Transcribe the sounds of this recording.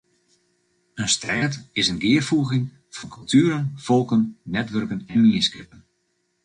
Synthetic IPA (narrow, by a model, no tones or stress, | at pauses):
ənstrɛjtɪsənɡɪərfuəɣɪŋ | fɔnkʰɵlˠtʰyːəɾənfɔlˠkənːɛtʋørkənɛnmiskɪpən